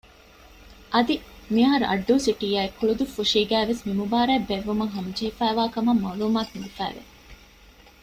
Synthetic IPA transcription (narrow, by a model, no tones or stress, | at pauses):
ʔɐd̪imiɐɦɐɾuʔɐ̰ɖːuːsiʈiːaːekːuɭud̪ufːuʂiːɡæːʋesmimubaːɾæːbːeʋːumɐŋɦɐmɐd͡ʒeɦifæːʋaːkɐmɐmaːluːmaːkind̪ifæ̰ːʋḛ